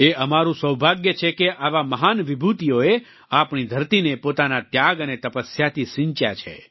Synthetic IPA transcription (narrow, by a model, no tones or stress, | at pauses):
eəmaɾũsəwbʱaɡjət͡ʃʰekeʔaʋaməɦanʋibʱut̪ijoe | apɳid̪ʱəɾt̪inepot̪anat̪jaɡənet̪əpəsjat̪ʰiʃɪ̃ɲt͡ʃja̰t͡ʃʰḛ